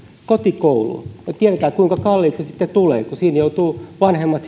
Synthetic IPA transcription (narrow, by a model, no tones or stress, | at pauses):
kot̪ikoulṵnet̪ieðæt̪æːkuiŋkɑkɑlːiːt̪sesit̪ːet̪ulḛːkusiːnjout̪uːʋɑnhemːɑt̪